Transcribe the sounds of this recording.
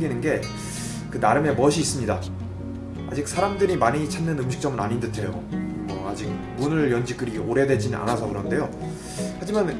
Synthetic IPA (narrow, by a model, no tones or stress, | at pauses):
ɡinɯnɡe̞ | kɯnaɾɯme̞mʌɕʰiːs͈ɯmɲida | a̰d͡ʑik̚sʰaɾamdɯɾimaɲit͡ɕʰanːɯnɯmɕʰi̥k̚t͡ɕ͈ʌmɯna̰ɲindɯtʰejo̰ | ʌad͡ʑik̚munɯɭjʌnd͡ʑik͈ɯɾioɾe̞dwe̞d͡ʑinɯnʔa̰nasʰʌkɯɾʌnde̞jo | had͡ʑiman